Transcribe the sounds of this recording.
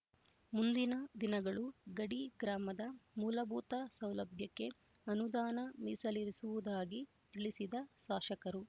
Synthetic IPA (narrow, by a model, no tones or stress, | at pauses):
mund̪inɐd̪inɐɡɐɭuɡɐɽiɡɾaːmɐd̪ɐmuːlɐbʱuːt̪ɐsɐwlɐbʱjɐkːe̞ | ɐnud̪aːnɐmisɐliɾisuʋud̪aːɡi | t̪iɭisid̪ɐʃaːʃɐkɐɾu